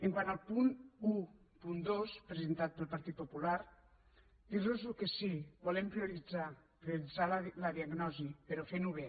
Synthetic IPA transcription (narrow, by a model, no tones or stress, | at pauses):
eŋkwanalˠpunu | pund̪ospɾezent̪at̪̚pəlˠpaɾt̪it̪̚populaɾ | d̪iɾlozukesibulempɾiuɾid͡zapɾioɾid͡zalləðiaɡnɔzipeɾɔfenuβe